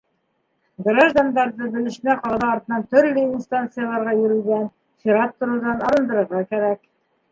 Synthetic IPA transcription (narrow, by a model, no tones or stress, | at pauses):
ɡraʒd̪and̪ɑɾðɤbɘ̆lɘ̆ʃɘ̆næqɑɾðɑɒɾt̪ɤ̆nɑnt̪ɵ̆ɾlɘinst̪ant̪sɨjalˠɑɾʁɑjɵ̆ɾʉ̆ɡæn | fʲiɾat̪ːŏɾud̪ɑnɑɾɤ̆nd̪ɤ̆ɾɤ̆ɾʁɑkæɾæk